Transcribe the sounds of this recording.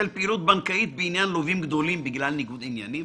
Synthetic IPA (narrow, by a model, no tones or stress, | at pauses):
ɪlpiɾuːt̪̚bankajiːt̪̚bɪʔɪnjaːnloviːmɡd̪oliːmbɪɡlæːlnɪɡuːd̪iːnjaʕni